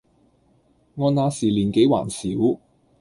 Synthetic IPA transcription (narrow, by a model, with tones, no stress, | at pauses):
ŋɔː˧naː˨˧siː˨˩liː˨˩nke˨˥jwa̰ː˨˩nsiː˨˥w